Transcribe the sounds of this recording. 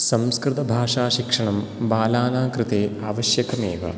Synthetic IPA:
sɐmskɾɪt̪ɐbʱaːʂaːʃikʂɐɳɐmbaːlaːnaːkɾɪt̪eːaːʋɐɕjɐkɐmḛːʋɐ̰

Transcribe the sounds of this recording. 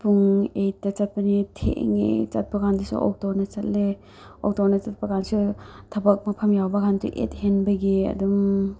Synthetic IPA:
puŋejtɐt͡ʃat̚panitʰḛʔŋḛt͡ʃa̰t̚pɐɡandisṵʔɔ̰k̚townɐt͡ʃat̚le | o̰k̚townɐt͡ʃat̚pɐɡansutʰɐbak̚mɐpʰɐmjawbɐɡantṵʔḛt̚henbɐɡiɐ̰dum

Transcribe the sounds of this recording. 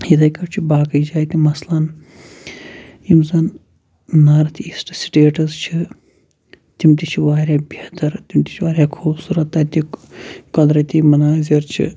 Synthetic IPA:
jid̪ɐjkɐɾt͡ʃʰibaːkɐjd͡ʒaːjt̪imɐslɐn | imzɐn | nɐɾt̪ʰiisʈsi̥ʈeːʈɐzt͡ʃʰi | t̪imʈ̪it͡ʃʰiʋaːɾʲjaːbet̪ɐɾt̪imt̪ʲi̥t͡ʃʰiʋaːɾʲjaːkʰuːbsuːɾɐt̪ːɐt̪ikɐd̪ɾɐt̪iːmɐnaːziɾt͡ʃʰḭ

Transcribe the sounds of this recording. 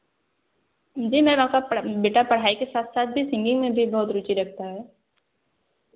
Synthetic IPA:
ɦd͡ʒiːmɛ̃ːakabeːʈapɐɽ̤aːikesaːt̪ʰsaːt̪̚bʱisɪ̃ŋɡɪ̃ŋɡmẽbʱibɔɦʊt̪ɾʊt͡ʃiɾɐk̚ʰt̪aɦɛː

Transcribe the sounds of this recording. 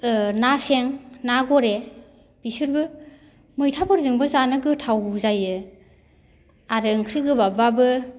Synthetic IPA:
naseŋnaɡɔɾe | b̥isɯɾbɯ | mɯjtʰabɔɾzɯŋbɯzanɯɡɯtʰawzajɯ | aɾɯŋkʰɾiɡɯbababɯ

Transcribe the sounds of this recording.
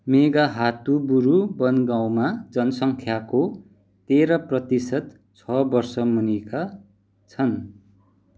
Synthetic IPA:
meɡaɦat̪ubuɾubʌnɡãw̃mad͡zʌnʌsʌŋkʰjako | t̪eɾʌprʌt̪isʌt̪ | t͡sʰʌbʌrsʌmunika | t͡sʰʌn

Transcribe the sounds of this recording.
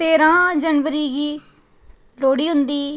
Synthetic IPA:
t̪eːɾãːd͡ʒənʋəɾiːɡiː | loːɽiːɦʊnd̪iː

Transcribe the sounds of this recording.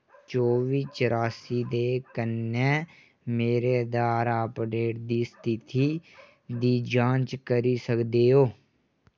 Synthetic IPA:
t͡ʃoːʋiːt͡ʃəɾaːsiːd̪eːkənːɛ̃ː | meːɾeːd̪aːɾaːpɖeːʈd̪iːst̪ʰɪt̪ʰiː | d̪iːd͡ʒãːt͡ʃkəɾiːsəkd̪eːoː

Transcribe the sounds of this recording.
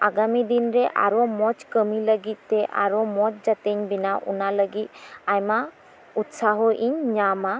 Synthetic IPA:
aɡamid̪inɾɛʔa̰ɾɔmɔt͡ʃkəmiləɡit̪̚ˀːɛʔa̰ɾɔmɔt͡ʃ̚d͡ʒat̪eɲbinaʔṵnaləɡit̪̚ajma | ut̪saɦɔʔiɲɲama

